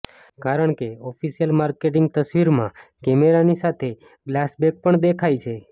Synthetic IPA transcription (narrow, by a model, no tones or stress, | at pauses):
kaɾəɳkeɔfisijəlmaɾkeʈ̬ɪ̃ŋɡ̚t̪əsʋiɾmãkɛmeɾanisat̪ʰe | ɡlasbek̚pəɳd̪ekʰajt͡ʃʰe